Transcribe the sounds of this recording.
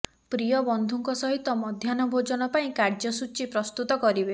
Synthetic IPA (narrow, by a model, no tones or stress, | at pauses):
pɾijɔbɔnd̪ʱuŋkɔsɔɦit̪ɔmɔd̪ʱjanɔbʱod͡ʒɔnɔpaĩkaɾd͡ʒɔsut͡ʃipɾɔst̪ut̪ɔkɔɾibe